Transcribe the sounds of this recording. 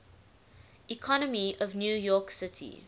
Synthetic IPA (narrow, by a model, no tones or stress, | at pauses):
ikʰɔnəmiɔvnjuːjɔˑksɪtʰḭ